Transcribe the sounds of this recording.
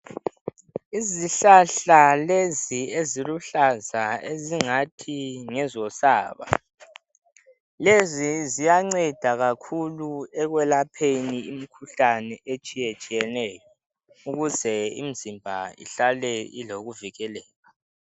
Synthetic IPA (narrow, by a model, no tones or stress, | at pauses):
iziɬaɬalezieziluɬazaeziŋatʰiŋɛzɔsaːβa̰ | lezizijaŋ͡ǀɛd̥ʱaɣakʰuluɛɣwɛlapʰeniim̩kʰuɬanɛʔet͡ʃʼijɛt͡ʃʼijɛnɛjɔ | uɣuzɛḭm̩zimbʱaḭɬalɛḭloɣuviɣɛlɛːla